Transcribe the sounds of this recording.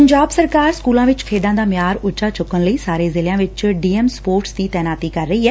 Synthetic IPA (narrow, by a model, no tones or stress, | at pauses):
əɲd͡ʒaːbsəɾkaːɾskuːlãːʋɪt͡ʃkʰeːd̪ãːd̪aːmɪjaːɾʊt͡ʃaːt͡ʃʊkːənləiːsaːɾeːzɪlɪjãːʋɪt͡ʃɖiːemspoːɾʈsd̪iːt̪ɛːnaːt̪iːkəɾːəiːɦɛː